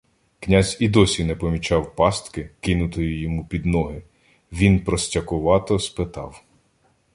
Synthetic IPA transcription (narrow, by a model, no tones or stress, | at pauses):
knʲazʲid̪ɔsʲinɛpɔmʲit͡ʃɑwpɑst̪kɪkɪnʊt̪ɔjijɔmupʲid̪nɔɦɪ | ʋʲinpɾɔsʲtʲɐkʊʋɑt̪ɔspɪt̪ɑ̰w